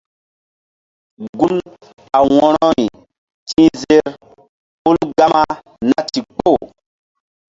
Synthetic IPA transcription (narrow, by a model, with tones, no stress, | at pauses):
ɡu˦m | a˨wɔ˨ɾɔ˦i˨ | tʰĩ˦ze˦ɾ | pu˦lɡa˦ma˦ | na˦ti˨k͡po˦˨